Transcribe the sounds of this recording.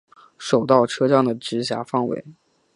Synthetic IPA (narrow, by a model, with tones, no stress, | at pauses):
ʂo˨˩ʊt̪ɑ˥˩ʊʈ͡ʂʰɤ˥ʈ͡ʂɑ˥˩ŋd̪ə˩ʈ͡ʂɻ̩˧˥ɕja̰˧˥fɑ˥˩ŋwḛ˧˥ɪ